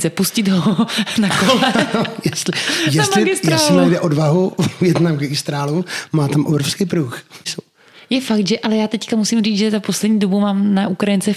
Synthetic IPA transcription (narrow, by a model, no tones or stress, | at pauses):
sɛpuscɪd̪ɦonakolɛojɛst̪lɪjɛst̪lɪɡɪstj̪ɛɾasːt̪lɪmɛjdɛʔodvaɦuvjɛd̪namɡɛɡɪst̪ɾaːlumaːt̪amʔobɾofskijpɾuːxso | jɛfak̚t̪ʒɛʔalɛjaːt̪ɛckamusimriːt͡sʒɛzaposlɛdɲiːdo̞bumaːmnaʔukɾajɪnt͡sɛ